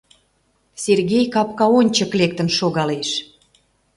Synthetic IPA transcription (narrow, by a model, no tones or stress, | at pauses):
sʲerɣʲejkɑpkɑonʲt͡ɕəklek̚t̪ə̆nʃoɣɑleʃ